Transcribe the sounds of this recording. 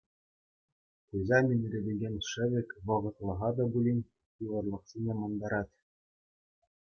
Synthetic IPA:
χujzɑmʲinʲrʲĕd̪ʲĕɡʲenʲʂɘ̆ʋʲɘ̆kʲʋɤ̆ʁɤ̆t̪lˠɤ̆ʁɑd̪ɑbulʲinʲ | tiʋɤ̆rlˠɤ̆χsʲinʲemɑnd̪ɑɾɑt̪ʲ

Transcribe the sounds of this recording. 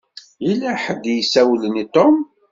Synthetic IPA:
ilæħəd̪jəsæwlənit̪ˤom

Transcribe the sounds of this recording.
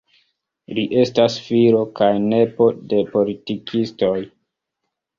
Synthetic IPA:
liʔe̞stasfiɾo̞kajne̞po̞de̞po̞litikʰisto̞j

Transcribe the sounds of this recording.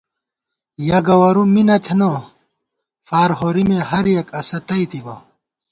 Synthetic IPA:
jɐɡɐwɐɾuminɐt̪ʰeno | faːɾɦoɾimẽɦɐɾjɐkɐsɐt̪ɐit̪ibɐ

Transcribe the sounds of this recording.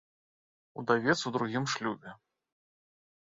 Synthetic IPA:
ṵd̪avʲɛt̪sud̪ɾuɣʲimʂlʲubʲɛ

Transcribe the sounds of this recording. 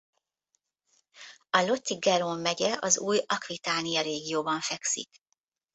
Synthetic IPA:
ɒlo̞t̪ːiɡɛɾomːɛɟɛʔɒzuːjɒkʋit̪aːnijɒɾeːɡijoːbɒɱfɛksḭk

